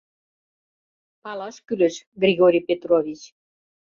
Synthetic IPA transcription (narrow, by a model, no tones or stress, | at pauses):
pɑlɑʃkylĕʃɡrʲiɣoɾʲijpet̪rovʲit͡ɕ